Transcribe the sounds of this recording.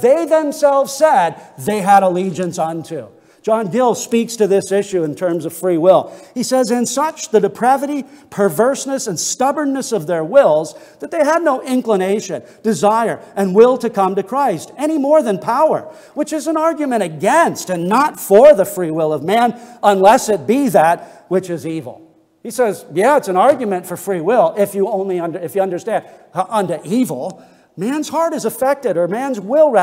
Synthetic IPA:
ðeɪðɨ̃msɛlˠvz̥sɛd̪̚ðeɪəɾəlid͡ʒɨ̃nsʌ̃ntʰʉ̥ | d͡ʒ̥ɑ̃nɡɪlˠspikstɨðɪsɪʃʉɨ̃ntʰɜ̃˞mzʌv̥fɹiwɪlˠisɛzɨ̃nsʌt͡ʃðɨdɨpʰɹ̥ævɨɾipʰə˞vɜ˞snɨsɨ̃nstʌbə̃˞nːɨsʌvðə˞wɪlˠzðɨt̪̚ðeɪədⁿnoʊʔɪ̃nkləneɪʃɨ̃n | d̥ɨzaɪə˞ʔɨ̃nwɪlˠtʰɨkʰʌ̃mtɨkʰɹ̥aɪstɛɾ̃imɔɹðɨ̃npʰaʊə̰˞ | wɨt͡ʃɨzɨ̃nɑɹɡjɨmɨ̃ɾ̃ɨɡɛ̃nstɨ̃nːətfə˞ðɨfɹiwɪlˠʌvmæ̃nə̃nlɛsɨt̚b̥iðɨt̚wɨt͡ʃɪzivl̩ˠ | isɛzjæɨtsɨ̃nɑɹɡjɨmɨ̃ntfə˞fɹiwɪlˠɪfjɨõʊ̃nliʌ̃ndɨfjɨʌ̃ndə˞stæ̃ndʔʌ̃ntɨʔivl̩ˠ | mæ̃nz̥hɑɹɾɨzəfɛk̚tɨɾə˞mæ̃nzwɪlˠɹæ

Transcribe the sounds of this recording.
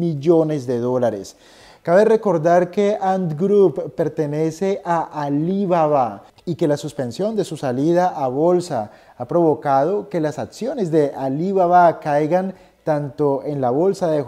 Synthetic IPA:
miʝo̞ne̞zðe̞ðo̞laɾḛs | kaβere̞ko̞ɾðaɾke̞and̪ɡɾuppːe̞ɾt̪e̞ne̞se̞ʔaʔaliβaβa | ike̞lasuspe̞nsjo̞nd̪e̞susaliðaʔaβo̞lsa | apɾo̞βo̞kað̞o̞ke̞lasaksjo̞ne̞zd̪e̞ʔaliβaβakajɣan | t̪ant̪o̞e̞nlaβo̞lsaðe

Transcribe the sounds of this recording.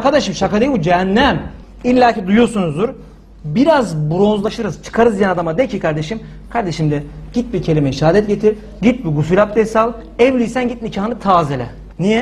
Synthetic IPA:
aɾkad̪aʃɯmʃakad̪ejibud͡ʒeɦænːɛm | ilʲːaːcʰid̪ujoɾsunuzd̪uɾ | biɾazbuɾo̞nzlˠaʃɯɾɯz̥t͡ʃʰɯ̥kʰaɾɯzd̪ijɛnad̪amad̪ecʰikʰaɾd̪e̞ʃim | kʰaɾd̪e̞ʃimd̪ɛɟ̥it̪̚bicʰe̞lʲimɛiʃaːd̪ɛt̪̚ɟet̪ʰiɾ | ɟit̪̚biɡusulʲap̚d̪ɛsalˠ | ɛvlʲijsænɟit̪̚micʰaɦɯnɯt̪ʰaːzelʲɛ̰ | nijɛ

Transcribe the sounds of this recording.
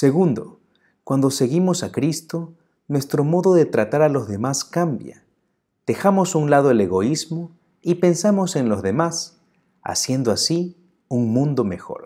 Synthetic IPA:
se̞ɣund̪o̞̰ | kwand̪o̞se̞ɣimo̞sakɾist̪o̞ | nwe̞st̪ɾo̞mo̞ðo̞ðe̞t̪ɾat̪aɾalo̞zðe̞maskambja̰ | d̪̥e̞xamo̞sunlaðoele̞ɣo̞izmo | ipe̞nsamo̞senlo̞zðe̞mas | a̰sje̞nd̪oasi | uŋmũnd̪o̞me̞xo̞̰ɾ

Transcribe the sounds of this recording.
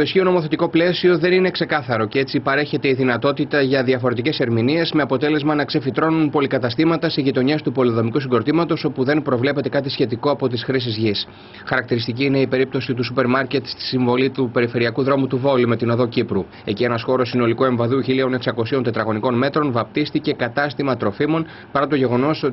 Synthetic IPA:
t̪o̞isçio̞no̞mo̞θe̞t̪iko̞ple̞sio̞ðe̞nine̞kse̞kɐθɐɾo̞cee̞t͡sipɐɾe̞çe̞t̪e̞iðinɐt̪o̞t̪it̪ɐʝɐðiɐfo̞ɾe̞t̪ice̞se̞ɾminie̞zme̞ɐpo̞t̪e̞le̞zmɐnɐkse̞fit̪ɾo̞nunpo̞likɐt̪ɐst̪imɐt̪ɐsiʝit̪o̞ɲe̞st̪upo̞liðo̞mikusiɡo̞ɾt̪imɐt̪o̞so̞puðe̞npɾo̞vle̞pe̞t̪e̞kɐt̪̬isçe̞t̪iko̞ɐpo̞t̪isxɾis̬izʝis | xɐɾɐkt̪iɾist̪iciːne̞ipe̞ɾip̚t̪o̞sit̪usupe̞ɾmɐɾce̞t̪st̪i̥siɱvo̞lit̪upe̞ɾife̞ɾiɐkuðɾo̞mut̪uvo̞lime̞t̪ino̞ðo̞cipɾu | e̞cie̞nɐsxo̞ɾo̞sːino̞likue̞ɱvɐðuçilio̞ne̞ksɐko̞siont̪e̞t̪ɾɐɣo̞niko̞nme̞t̪ɾo̞nvɐp̚t̪ist̪ice̞kɐt̪ɐst̪imɐt̪ɾo̞fimo̞n | pɐɾɐt̪o̞ʝe̞ɣo̞no̞s

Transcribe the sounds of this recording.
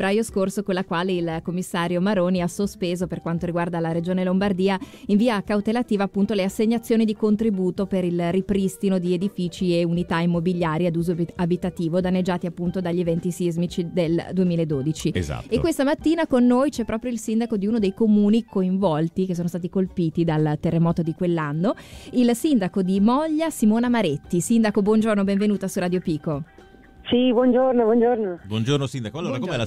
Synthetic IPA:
bɾajoskorsokonlakwaːleilkomːisːaːɾjomaɾoːniasospeːzoperkwant̪oɾiɡward̪alaɾed͡ʒoːnelombard̪iːa | iɱviːakawt̪elat̪iːvaːpːunt̪oleasːeɲːat̪sːjoːnid̪ikont̪ɾibuːt̪opeɾilrːipɾist̪inod̪ied̪ifiːt͡ʃieunit̪aimːobiʎːjaːɾjed̪uːzoabit̪at̪iːvod̪anːed͡ʒːaːt̪iapːunt̪od̪aʎːevɛnt̪isizmit͡ʃid̪eld̪uemiːlaed̪oːd̪it͡ʃiḛza̰t̪ekkwest̪amat̪ːiːnakonːoːjt͡ʃɛpːɾɔːpɾjoilsind̪akod̪iuːnod̪ejkomuːnikoiɱvɔlt̪ik̟es̬oːnost̪aːt̪̬ikolpiːt̪id̪alt̪erːemɔːt̪od̪ikwelːanːoilsind̪akod̪imɔʎːasimoːnamaɾet̪ːisind̪akobwɔnd͡ʒornobɛɱvenuːt̪asurad̪jopiːko | sibwɔnd͡ʒornobwɔnd͡ʒornobwɔnd͡ʒornosind̪akoalːoːɾakomɛl

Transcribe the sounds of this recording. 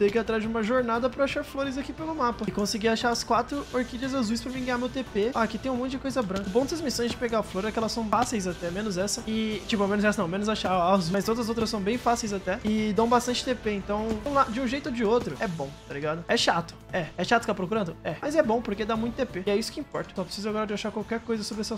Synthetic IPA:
d̪ejkat̪ɾazd͡ʒɪũmɐʒoɾnad̪ɐpɾɐaʃaɾfloɾɪzakipelʊmapɐɪkõsɪɡiaʃaɾɐskwat̪ɾʊoɾkid͡ʒɐzazujspɾɐvĩɡɐ̃jamewt̪epeaɐkit̪ẽj̃mõt̪ʊd͡ʒɪkojzɐbɾɐ̃kɐʊbõd̪ɪsɐzmisõj̃zd͡ʒɪpeɡaɐfloɾɛkɪɛlɐsɐ̃w̃fasejzat̪ɛmẽnʊzɛsɐɪt͡ʃipʊamẽnʊzɛsɐnɐ̃w̃mẽnʊzaʃaɾazumɐjst̪od̪ɐzɐzowt̪ɾɐsɐ̃w̃bẽj̃fasejzat̪ɛɪd̪ɐ̃w̃bast̪ɐ̃nt͡ʃɪ̥t̪epeẽnt̪ɐ̃w̃ũlad̪ʊd͡ʒɪũʒejt̪ʊd͡ʒɪot̪ɾʊɛbõt̪aliɡad̪ʊɛʃat̪ʊ̥ɛɛʃat̪ʊsɪt̪apɾokuɾɐ̃nd̪ʊɛmɐzɛbõpoɾked̪amũj̃t̪ʊt̪epeɪɛisʊ̥kɪĩpɔɾt̪ɐ̥sɔpɾe̥sizʊaɡɔɾɐd͡ʒɪaʃaɾkwawkɛɾkojzɐsobɾɛsɐ

